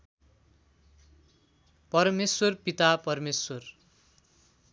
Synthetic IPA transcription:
pʌrmeswʌrpit̪apʌrmeswʌr

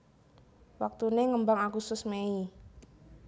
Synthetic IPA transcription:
wak̚t̪uneŋəmbaŋakusʊsmei

